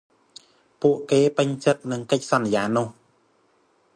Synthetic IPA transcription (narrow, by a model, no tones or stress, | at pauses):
puəʔkeːpɨɲt͡ɕɨk̪̚nɨŋkəc̚sɑnːjaːnʊ̆ːh